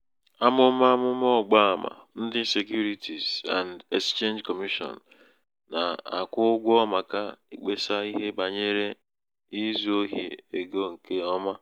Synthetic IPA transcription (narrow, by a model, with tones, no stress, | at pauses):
a˦mʊ˦ma˦mʊ˦m˦ɔ˦˨ɡ͡ba˦a˨ma̰˨n̩˦dɪ˦n̩˦se˨kju˦ɾi˦tʰi˨z̥a̰˨n˨de˨st͡ʃe˦nd͡ʒkɔ˨mi˦ʃɔ̰˨nː˨ | a̰˨a̰˨kʷʊ˦ɡʷɔ˦ma˨ka˦i˨k͡pe˦sa˦i˦ɦe˦ba˨ɲe˦ɾe˦ | i˦zu˦o˦ɦi˨e˨ɡo˦ŋ̩˨ke˦ɔ˦ma˦